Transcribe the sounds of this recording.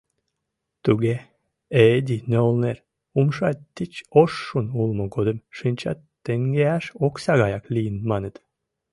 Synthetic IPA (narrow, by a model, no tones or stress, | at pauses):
t̪uɡe | ed̪ʲineolˠneɾ | umʃɑtt̪ːit͡ʃoʃːunulˠmokod̪ɨmʃɨnʲt͡ɕɑ̰t̪ː | eŋɡeæʃoksɑɡɑjɑklʲiːnmɑnɨt̪